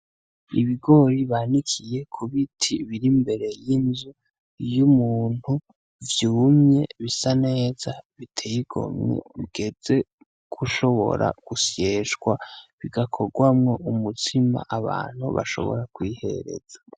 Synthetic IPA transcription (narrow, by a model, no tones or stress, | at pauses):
iβiɡo̞ɾiβanikʰije̞kʰuβitʰiβiɾimbe̞ɾe̞jinzu | jumuːn̥hu | vjuːmɲe̞βisane̞ːzaβitʰejiɡ̥o̞̰mɲḛβiɡ̥e̞d͡ze̞ | ɡ̥uʃo̞βo̞̰ɾa̰ɡ̥usjeːʃɡwaβiɡakʰo̞ɡwamŋo̞ʔumutʰima̰ʔaβa̰ːn̥hṵβa̰ʃo̞̰βo̞̰ɾakwiːhe̞̰ɾe̞̰z̥ḁ